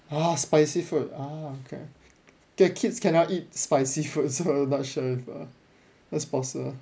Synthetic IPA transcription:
aspaɪsifut̚aokʰḛ | kɛkʰitskɛ̃nɔtit̚spaɪsifut̚sonɔt̚ʃəifa̰ | dɛtspɔsibə

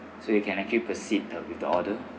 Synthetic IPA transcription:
sodekʰɛ̃nɛk̚t͡ʃulipəsitwifdəɔdə

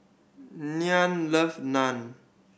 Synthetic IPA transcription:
nianləfnan

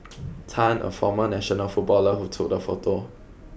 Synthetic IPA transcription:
tʰãnʔə̰fɔ̰mənɛʃɔnəlfut̚bɔləhutʰuk̚dəfo̰to

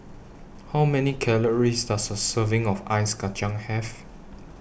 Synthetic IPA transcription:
hawmɛnikʰɛləɹisdatsəsəvɪ̃ŋɔfajsɡat͡ʃãŋhɛf

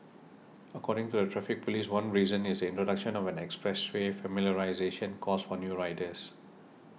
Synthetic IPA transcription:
əkʰɔɾɪ̃ŋtudətʰɹafɪk̚poliswãnɹizə̃nisdəĩntɹodakʃə̃nɔvɛ̃nɛkspɹɛswefəmiljəɹaɪzeʃə̃nkʰɔsfɔnjuːɹaɪtəs

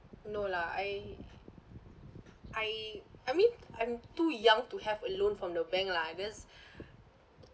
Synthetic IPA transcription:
nolaaj | ʔajajmĩnʔãj̃mtujãŋtuhɛvəlõnfɹɔ̃mdəbɛ̃ŋklad͡ʒɛs

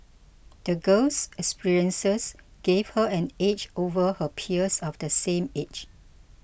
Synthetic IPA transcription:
d̥əɡəsɛkspiɹiə̃nsəsɡ̥evhəɛ̃net͡ʃovəhəpʰiəsɔfdəsẽmet͡ʃ

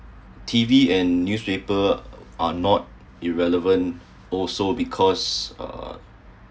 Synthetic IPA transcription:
tʰiviɛ̃nːjuspepəʔanɔt̚ | iɹɛləvə̃n | ɔlsobikʰɔsʌ̰

